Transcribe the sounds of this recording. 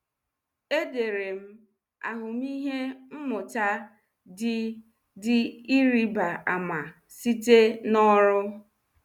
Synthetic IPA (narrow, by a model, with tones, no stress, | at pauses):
e˦de˨ɾe˨m̩˦ | a̰˨ɦʊ˨m̩˦i˦ɦe˦m̩˦mʊ˨ta˦ | dɪ˨i˦ɾi˦ba˨a˨ma˨ | si˦te˦nɔ˦ɾʊ˦